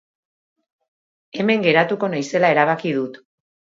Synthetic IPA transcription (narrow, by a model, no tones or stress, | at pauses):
e̞me̞ŋɡe̞ɾat̪uko̞najse̞lae̞ɾaβ̞akiðut̪